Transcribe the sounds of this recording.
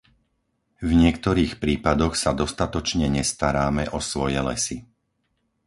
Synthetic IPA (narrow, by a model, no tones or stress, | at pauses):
vɲɪɛkt̪ɔɾiːxpɾiːpad̪ɔxsad̪ɔst̪at̪ɔt͡ʃɲɛɲɛst̪aɾaːmɛʔɔsʋɔjɛlɛ̰si